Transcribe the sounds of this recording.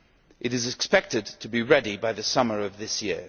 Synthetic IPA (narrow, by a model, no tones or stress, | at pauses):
ʔɨɾɨzɨkspɛk̚tɨd̚tʰɨbiɹɛɾibaɪðɨsʌmə˞ʌvðɪsjɪ̰ɹ